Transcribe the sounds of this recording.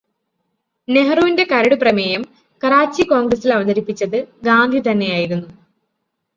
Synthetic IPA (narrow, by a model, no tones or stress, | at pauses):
ne̞ɦɐruːinde̞kɐɾɐɽuprɐmejɐm | kɐɾaːt͡ɕːiko̞ːŋɡrɐsilɐʋɐd̪ɐɾipːit͡ɕːɐðɨɡaːnd̪ʱit̪ɐnːe̞jaːjiɾunːu